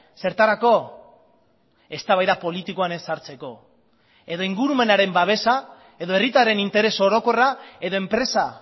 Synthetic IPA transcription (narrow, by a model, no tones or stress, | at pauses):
se̞ɾt̪aɾako̞ | e̞st̪aβajðapo̞lit̪iko̞ane̞saɾt͡se̞ko̞ | e̞ðo̞iŋɡuɾume̞naɾe̞mbaβe̞sa | e̞ðo̞e̞rit̪aɾe̞nint̪e̞ɾe̞so̞ɾo̞ko̞rae̞ðoe̞mpɾe̞sa